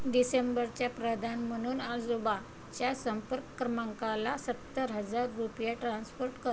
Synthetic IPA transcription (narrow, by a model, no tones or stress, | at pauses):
ɖisembəɾt͡ɕjapɾəd̪ʱanm̤əɽ̃uːnad͡zuban | t͡ɕjasəmpəɾkːɾəmãŋkalasət̪ːəɾɦəd͡zaɾːupjaʈɾãnspoɾʈkə